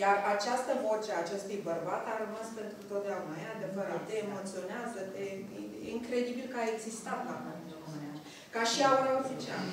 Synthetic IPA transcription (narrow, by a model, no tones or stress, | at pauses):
jarat͡ʃast̪əvot͡ʃeaːt͡ʃe̞st̪ujbərbat̪aɾəmaspe̞nt̪ɾut̪o̞t̪̚d̪eaunajead̪efəɾat̪t̪eːmo̞t̪sio̞neazət̪eiiŋkɾe̞d̪ibilkaeɡzist̪amkapent̪ɾuɾomɨnea | kaʃiauɾafit͡ʃea̰l